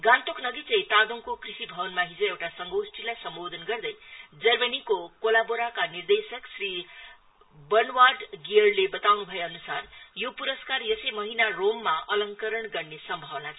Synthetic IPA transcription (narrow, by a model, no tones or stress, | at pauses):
ɡãnt̪okʰnʌɡit͡sʌ̃jt̪aɡoŋkokrisibʱʌbʌnmaɦid͡zʌewʈasʌŋɡowsʈʰilajsʌmbod̪ʱʌnɡʌrd̪ʌjd͡zʌrmʌnikokolaboɾakanird̪esʌksri | bʌnwaɖɡiɽlebʌt̪awnubʱʌjeʌnusarjopuɾʌskarjʌsʌjmʌɦinaromːaʌlʌŋkʌɾʌɳɡʌrnesʌmbʱʌwna